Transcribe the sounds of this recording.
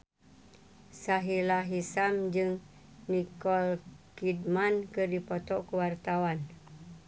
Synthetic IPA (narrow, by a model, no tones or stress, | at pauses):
saɦilaɦisamd͡ʒɨŋ | nikɔlkidmankɨrdipɔt̪ɔkuwart̪awan